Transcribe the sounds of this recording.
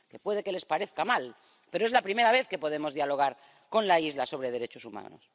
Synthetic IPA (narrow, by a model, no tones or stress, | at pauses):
ke̞pwe̞ð̞eke̞le̞spaɾe̞θkamal | pe̞ɾoe̞zlapɾime̞ɾaβ̞e̞θke̞po̞ðe̞mo̞zðjalo̞ɣ̞aɾ | ko̞nlaizlaso̞βɾeð̞e̞ɾe̞t͡ʃosuma̰no̰s